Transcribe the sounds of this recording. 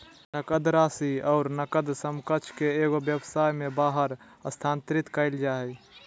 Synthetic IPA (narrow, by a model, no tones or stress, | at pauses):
nəkəd̪ɾaːsiɔʊɾnəkəd̪səmkət͡ʃʰkeeɡobjəbsaːjmẽbaːɦəɾ | əst̪ʰant̪ɾɪt̪kəɪld͡ʒaːɦɛj